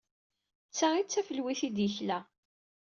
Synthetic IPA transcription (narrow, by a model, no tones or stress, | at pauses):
t͡sːæit͡sːæfəlwiθid̪jəçlæ